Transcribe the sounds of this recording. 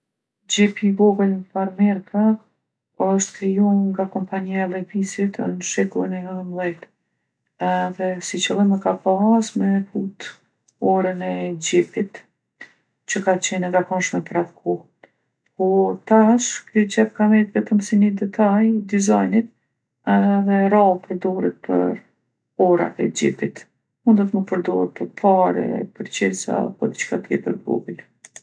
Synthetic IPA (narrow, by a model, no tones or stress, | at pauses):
d͡ʑɛpiɡɔɡələfaɾmɛɾkʰa | ɔʃt̪kɾijunŋɡakɔmpaɲialɛpisit̪ə̰nʃɛkulˠinɛmlˠɛjt̪ | ɛðɛsit͡ɕəlˠiməkapasmɛfut̪ | ɔɾənɛd͡ʑɛpit̪ | t͡ɕəkat͡ɕɛnəɡakɔnʃmɛpɾaðkʰɔ | pɔɾt̪aʃkɾit͡ɕɛp̚kavɛt̪vɛt̪əmsinəd̪ɛt̪ʰajd̪izajnit̪̚ | ɛðɛɾapəɾd̪ɔɾɛt̪̚pʰə̰ɾ | ɔɾa̰t̪ɛ̰d͡ʑḭpit̪ | mund̪ɔt̪məpəɾd̪ɔət̪̚pəɾpʰaɾɛ̰pəɾt͡ɕɛsa̰pɔd̪it͡ʃkat̪ɛpəɾbɔ̰bul